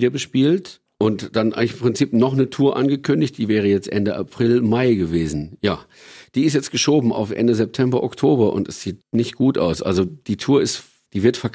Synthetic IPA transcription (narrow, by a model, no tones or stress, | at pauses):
dɐbəʃpiːlt | ʔʊntd̥anʔa̰ɪŋlɪçɪmpʁ̥ɪnt͡siːpnɔχnətʰuːɐʔa̰nɡəkʰʏndɪçt̚d̥iːvɛːʁ̞əjɛt͡stʔɛndəʔa̰pʁ̥ɪlmaɪɡəveːzn̩jaː | d̥iːɪstjɛt͡sɡ̥əʃoːbm̩a̰ʊfʔɛ̰ndəzɛp̚tʰɛmbɐʔɔktʰoːbɐʔʊ̰ntɛsz̥iːtnɪçt̚ɡ̥uːtʔa̰ʊsʔa̰lzod̥iːtʰuːɐɪst | d̥iːvɪɐtfɛɐk